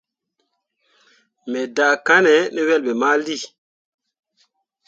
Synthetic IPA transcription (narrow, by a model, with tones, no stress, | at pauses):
mɛ˨da˨ka˦nɛ˨˦nɛ˦wɛ˦lbɛ˨ma˦li˦˨